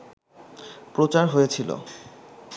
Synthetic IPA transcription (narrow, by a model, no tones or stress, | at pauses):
pɾot͡ɕaɾɦojet͡ɕʰilo̰